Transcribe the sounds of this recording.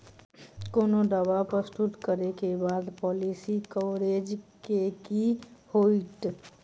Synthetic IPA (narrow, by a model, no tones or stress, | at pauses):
koːnod̪əbapɾəst̪ut̪kəɾekebaːd̪pɔːlisikɔʋɾed͡ʒkekihoiʈ